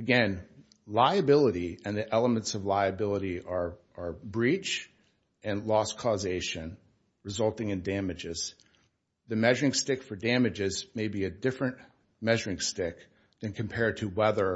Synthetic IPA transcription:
ɨɡɛ̃n | laɪɨbɪlˠəɾiɨ̃nðiʔɛlˠəmɨ̃ntsʌvlaɪɨbɪlˠəɾiə˞ | ə˞bɹit͡ʃ | ɨ̃nlɔskʰɔzeɪʃɨ̃n | ɹɨzʌlˠtɪ̃ŋɨ̃ndæmɨd͡ʒɪz̥ | ðɨmɛʒə˞ɪ̃ŋstɪkfə˞dæmɨd͡ʒɪzmeɪbiɨdɪfɹɨ̃nʔ | mɛʒə˞ɪ̃ŋstɪk | ðɨ̃nkʰɨ̃m̩pʰɛɹd̚tʰɨwɛðə˞

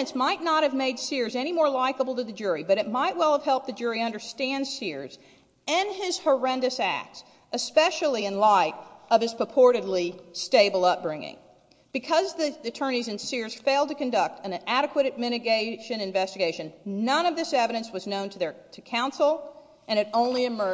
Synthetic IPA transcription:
ɨ̃nsmaɪtⁿnət̚hɨvmeɪd̥sɪɹzɛñimɔɹlaɪkəbl̩ˠtɨðɨd͡ʒʊɹibʌɾɨt̚maɪʔ̚wɛlˠəv̥hɛlˠp̚ðɨd͡ʒʊɹiʌ̃ndə˞stæ̃nd̥sɪɹz | ɪ̃nɪz̥hə˞ɛ̃ndɨsæ̰k̚ts | ɨspɛʃl̩ˠiɨ̃nlaɪɾʔʌv̥ɨz̥pʰɹ̥əpʰɔɹɾɨdˡlisteɪbl̩ˠʌp̚b̥ɹɪ̃ŋɪ̰̃ŋ | b̥ɨkʰʌzðiɨtʰɜ̃˞ñizɨ̃nsɪɹz̥feɪlˠd̚tɨkɨ̃ndʌk̚tʰɨ̃næɾɨkʰwɨɾɨd̚mɪɾɨɡeɪʃɨ̃nɨ̃ɱvɛstɨɡeɪʃɨ̃nnʌ̃nʌvðɪsɛvɨɾɨ̃nswʌznõʊ̃ntʰɨðə˞tʰɨkʰãʊ̃nsl̩ˠ | ɨ̃ñɨɾõʊ̃nliɨmɜ

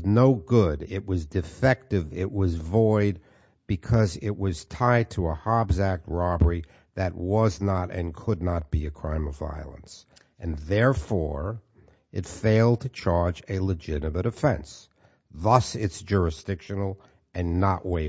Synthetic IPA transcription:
noʊɡʊɾɪʔ̚wʌzdɨfɛk̚tɨvɪʔwʌzvɔɪd̚ | b̥ɨkʰʌzɪt̚wʔʌz̥tʰaɪd̚tʰəəhɑɹbzæk̚t̚ɹɑbə˞i | ðɨt̚wʌznəɾɨ̰̃nkʰədⁿnət̚b̥iɨkʰɹ̥ãɪ̃mʌva̰ɪl̩ˠə̰̃ns | ʔɨ̃nðɛɹfɔɹ | ɨtfeɪlˠd̚tʰɨt͡ʃʰɑɹd͡ʒɨlɨd͡ʒɪɾɨmɨɾɨfɛ̰̃ns | ðʌsɪtsd̥ʒ̥ʊɹɨsd̥ɪkʃɨnl̩ˠ | ɨ̃nːəʔweɪ

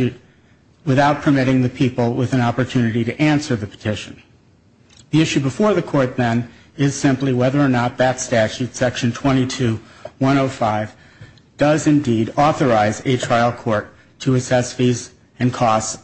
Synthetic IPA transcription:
ʉt̚ | wɨθaʊt̚pʰə˞mɪɾɪ̃ŋðɨpʰipl̩ˠwɪðɨ̃nɑpə˞tʰʉnɨɾiɾɨʔæ̃nsə˞ðɨpʰə̥tʰɪʃɨ̃n̩ | ðiɪʃʉbəfɔɹðɨkʰɔɹt̪̚ðɨ̃n | ɪz̥sɪ̃mpliwɛðə˞ːnət̪̚ðɨtstæt͡ʃʉtsɛkʃɨ̃n̩tʰw̥ɛ̃ɾ̃itʰʉwʌ̃ɾ̃oʊfaɪv | d̥ʌzɨ̃ndiɾɔθə˞aɪzɨtʰɹ̥aɪl̩ˠkʰɔɹtʰ | ɨɨsɛsfiz | ɨ̃nkʰɔs

